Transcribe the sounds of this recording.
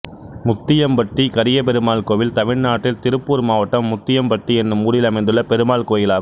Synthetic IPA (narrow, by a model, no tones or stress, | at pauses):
mʊt̪ːɪjɐmpɐʈrikɐɾɪjɐp̬ɛɾɯmaːlkoːʋɪlt̪ɐʋɪɻnaːʈːɪlt̪ɪɾɯpːuːɾmaːʋɐʈːɐmːʊt̪ːɪjɐmpɐʈriɛnːɯmuːɽɪlɐmɐɪnd̪ɯɭːɐpɛɾɯmaːlkoːjɪlaː